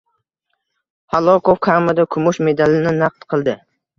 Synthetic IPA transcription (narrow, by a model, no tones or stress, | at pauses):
halˠɒkʰofkʰaɾmad̪akʰʊmʊʃme̞d̪alɪnɪnaq̚t̪qʰɨlˠd̪ɪ